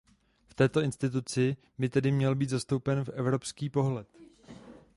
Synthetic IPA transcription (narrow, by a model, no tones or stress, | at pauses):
ft̪ɛːt̪o̞ɪnst̪ɪt̪̬ut͡sɪ | bɪt̪ɛdɪmɲɛlbiːt̪zast̪o̞wpɛnfɛvɾo̞pskiːpo̞ɦlɛt̪